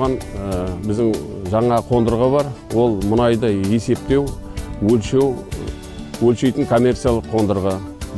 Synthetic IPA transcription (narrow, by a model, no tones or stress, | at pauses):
ʁɑnbɪzd̪ɪŋʒɑɴɑqʰo̞nd̪əɾʁəbɑɾwo̞lˠmʊnɑjd̪əje̞se̞p̚t̪e̞wwɵlʃe̞w | wɵlʃe̞jt̪ɪŋkʰo̞mʲːe̞rt̪sijalˠəqʰːo̞nd̪əɾʁɑ